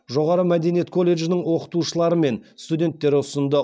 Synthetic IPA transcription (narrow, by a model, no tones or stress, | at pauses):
ʒo̞ʁɑɾəmæd̪e̞nijet̪̚kʰo̞lʲːe̞ʒɪnɪɴwo̞qə̥t̪uʃəlˠɑɾəme̞nst̪udʲe̞nt̪ːe̞ɾʊsənd̪ə